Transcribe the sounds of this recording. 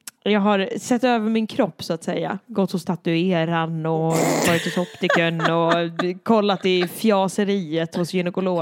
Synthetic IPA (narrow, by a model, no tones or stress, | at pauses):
jɑːɡɦaɾsɛt̪ːøːvəɾmɪnkʰɾɔpːsʊat̪sɛjːa̰ɡɔt̪ːhʊst̪ʰat̪ɵeːɾanɔvɑːɾɪt̪hʊsɔpt̪ɪkənɔkʰɔlːat̪ɪfjɑːsəɾiːət̪hʊsjʏnɛkʊloː